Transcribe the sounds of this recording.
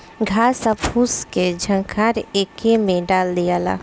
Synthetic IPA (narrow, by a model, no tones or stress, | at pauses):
ɡʱaːsapuːsked͡ʒʱə̃ŋkʰaːɾeːkemẽɖaːld̪ijaːla̰ː